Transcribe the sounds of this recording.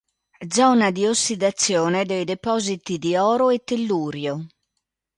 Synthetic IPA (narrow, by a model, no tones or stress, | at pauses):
d̪zɔːnad̪iosːid̪at̪sːjɔːnɛd̪ɛjd̪ɛpɔːzit̪id̪iɔːɾoɛt̪ːelːuːɾjo